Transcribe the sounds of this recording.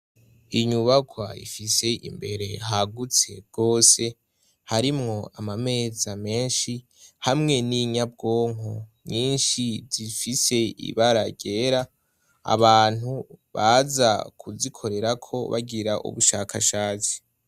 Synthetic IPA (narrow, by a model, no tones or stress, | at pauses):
iɲuβaɡwaḭfise̞ḭmbe̞ɾe̞ɦaɡut͡se̞̰b̚ɡ̥o̞ːse̞ | haɾimŋo̞amame̞ːzame̞ːnʃi | hamŋe̞niɲab̚ɡo̞ːŋomɲiːnʃiz̥ifise̞ḭβaɾaɟe̞ɾa̰ː | βaːn̥huβaza̰kʰuzikʰo̞ɾe̞ɾakʰo̞βa̰ɡiɾaʔṵβuʃakʰaʃaːt͡si̥